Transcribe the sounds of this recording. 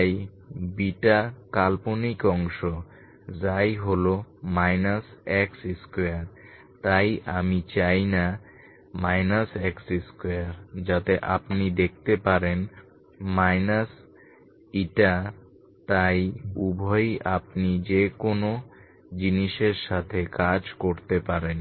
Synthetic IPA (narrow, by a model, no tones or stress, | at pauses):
j | biʈakalponikɔŋʃo | d͡ʑajɦolomajnasɛksiskoaɾ | t̪ajamit͡ɕajna | majnasɛksiskojaɾd͡ʑat̪eʔapnid̪ek̚t̪epaɾen | majnas | iʈa | t̪ajubʱɔjapnid͡ʑekono | d͡ʑiniʃeɾʃat̪ʰekad͡ʑkoɾt̪epaɾen